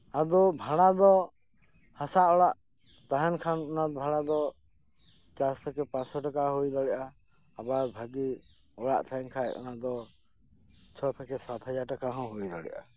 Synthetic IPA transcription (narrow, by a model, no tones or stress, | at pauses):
ad̪ɔbʱaɽ̃ad̪ɔ | hasaʔɔɽaʔ | t̪aɦɛnkʰanɔnad̪ɔbʱaɽ̃ad̪ɔ | kast̪ʰɛkɛpãsɔʈakaɦujd̪ɔɽɛʔaː | baɾbʱaɡi | ɔɽa̰ʔt̪ʰaɛnkʰajɔ̰nad̪ɔ | t͡ʃʰɔt̪ʰɛkɛsat̪ʰad͡ʒaɾʈakaɦɔ̃ɦojd̪ɔɽɛ̰ʔa̰